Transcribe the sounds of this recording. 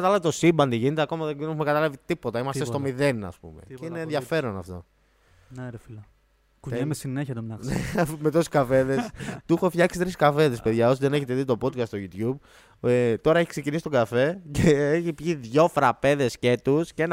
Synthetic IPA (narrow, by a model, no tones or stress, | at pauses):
ɐt̪ɐlɐvit̪o̞simbɐnd̪iʝinet̪eɐko̞mɐðeðenexumekɐt̪ɐlɐvit̪ipo̞t̪ɐimɐst̪est̪o̞miðe̞nɐ̰spṵme̞̰eineːnðʝɐfe̞ɾo̞nɐ̰ft̪o̞̰ | neɾefilɐ | kmesineçɐt̪omɐnemet̪osi̥skɐfe̞ðest̪uxofçɐksi̥t̪ɾiskɐfe̞ðespe̞ðʝɐo̞siðe̞neçet̪eðit̪o̞po̞d̪kɐst̪st̪oʝut̪ʝub | t̪o̞ɾɐeçikse̞cinisi̥t̪o̞ŋɡɐfe̞ceeçipʝiðʝo̞fɾɐpe̞ðe̞sce̞t̪usceen